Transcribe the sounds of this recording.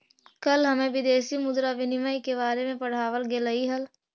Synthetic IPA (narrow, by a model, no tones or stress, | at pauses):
kɐlɦɐmẽʋɪd̪eːsimʊd̪ɾaʋɪnɪməjkebaːɾemẽpɐɽ̤aːʋəlɡelɐiɦɐl